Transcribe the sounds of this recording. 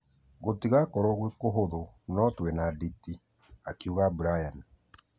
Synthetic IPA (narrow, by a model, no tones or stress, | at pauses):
ɣotiɣakɔɾɔɣwekoɦoðo | nɔtwɛnaditi | akiuɣabuɾajan